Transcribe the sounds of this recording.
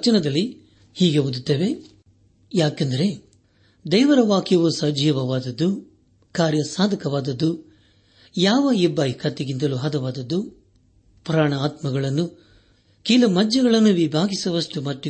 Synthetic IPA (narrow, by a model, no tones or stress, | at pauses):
t͡ʃɐnɐd̪ɐlːi | hiːɡeɦud̪ut̪ːeːʋe̞ | jaːkɐnd̪ɐɾe̞ | d̪ɛːʋɐɾɐʋaːkjɐʋusɐd͡ʒʱjɐʋɐʋaːd̪ɐd̪ːu | kaːɾjɐsaːd̪ʱɐkɐʋaːd̪ɐd̪ːu | jaːʋɐibːɐːjikʰɐt̪ːeɡint̪ɐluɦɐd̪ɐʋaːd̪ɐd̪ːu | pɾaːɳɐːt̪mɐɡɐɭɐnːu | kiːlɐmɐd͡ʒːɐɡɐɭɐnːuʋibʱaːɡisɐʋɐsʈumɐt̪ːu